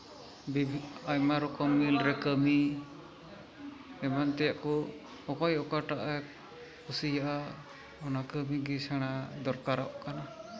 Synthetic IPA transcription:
bibʱajmaɾɔkɔmːilɾɛkəmi | ɛmant̪ɛjaʔkɔ | ɔkajɔkaʈaʔa | kusijaʔa | ɔnakəmiɡisaɽ̃ad̪ɔɾkaɾaʔkana

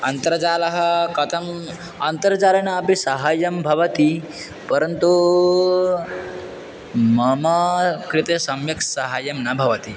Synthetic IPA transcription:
ɐnt̪ɐɾɐd͡ʒaːlɐɦɐkɐt̪ʰɐm | ɐnt̪ɐɾd͡ʒaːlɐnɐːpisɐɦaːjɐmbʱɐʋɐt̪i | pɐɾənt̪u | mɐmɐkɾit̪esɐmjɐksɐɦaːjɐmnɐbʱɐʋɐt̪i

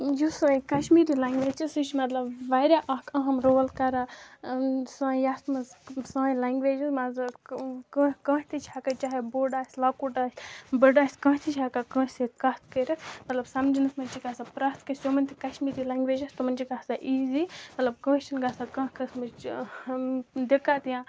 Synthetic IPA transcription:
jusɐ̃ːikɐʃmiːɾilaːŋɡʋeːd͡ʒisɨt͡ʃʰmɐt̪lɐbʋaːɾʲaʔɐkʰɐɦɐmɾoːlkɐɾa | sɐ̃ːjaːsmɐzsãːĩlaːŋɡʋeːd͡ʒɐzmɐz | kə̃ːkɐ̃ːht̪ʰit͡ʃʰaːkat͡ʃaːɦeboːɖaːsʲlakuʈaːsʲbəɖaːsʲkɐ̃ːt̪ʰit͡ʃʰaːkakə̃ːsekɐt̪ʰkəɾʲɐsmɐt̪lɐbsɐmd͡ʒinɨsmɐnʲt͡ʃiɡaːsapɾɐst̪kɐsjoːmɐnʲt̪ʰikɐʃmiːɾilaːŋɡʋeːd͡ʒɐst̪umɐnʲt͡ʃikaːsaʔiːzimɐt̪lɐb̚kə̃ːt͡ʃɐnɡaːsakɐ̃ːkɐsmɐt͡ʃ | d̪ekaːt̪ijãː

